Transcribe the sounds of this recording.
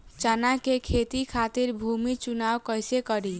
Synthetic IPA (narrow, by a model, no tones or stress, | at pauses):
t͡ʃanakekʰet̪ikʰat̪iɾbʱumit͡ʃunawkəjsekəɾi